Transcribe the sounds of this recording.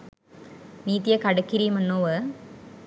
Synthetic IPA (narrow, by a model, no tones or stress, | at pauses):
niːt̪ːijɐkɐɽɐkːiɾijumenːoːʋe